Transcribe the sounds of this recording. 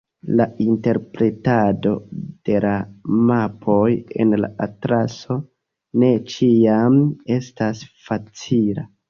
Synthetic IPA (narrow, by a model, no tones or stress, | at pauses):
lainte̞ɾpɾe̞tado̞̰d̥e̞lamapʰo̞je̞̰nla̰ʔatɾaso̞ | ne̞t͡ʃiame̞stasfat͡sila